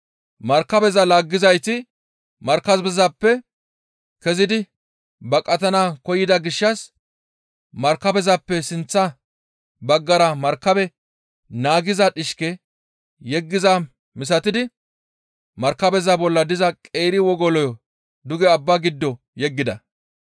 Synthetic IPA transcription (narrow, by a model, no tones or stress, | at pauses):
mɐɾkɐbɛzɐlaːɡːɪzɐjt̪ɪ | mɐɾkɐzbɛzɐpːɛ | kɛzɪd̪ɪ | bɐkʼɐt̪ɐnakɔjɪd̪ɐɡɪʃːɐs | mɐɾkɐbɛzɐpːɛsɪnt͡sːɐ | bɐɡːɐɾɐmɐɾkːɐbɛ | naːɡɪzɐᶑɪʃkɛ | jɛɡːɪzɐ | mɪs̬ɐt̪ɪd̪ɪ | mɐɾkːɐbɛzɐbɔlːɐd̪ɪzɐkʼeːɾɪwɔɡɔlɔjɔ | d̪ʊɡɛɐbːaɡɪd̪ːɔ | jɛɡːɪd̪ɐ